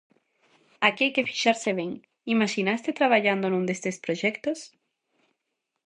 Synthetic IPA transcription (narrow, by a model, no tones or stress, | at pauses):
akeajkefi̥ʃaɾseβ̞eŋ | imaʃinast̪et̪ɾaβaʎand̪onũnd̪est̪espɾoʒɛkt̪os